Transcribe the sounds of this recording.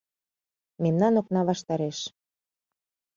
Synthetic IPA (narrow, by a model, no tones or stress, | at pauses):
memnɑnoknɑβɑʃt̪ɑɾeʃ